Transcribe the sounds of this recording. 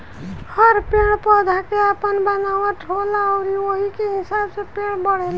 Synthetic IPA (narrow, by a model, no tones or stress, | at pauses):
hʌɾpeɽ̃pəd̪ʱakeapənbənawaʈʰolaoɾiwoɦikeɦisabsepeɽ̃bʌɽ̤el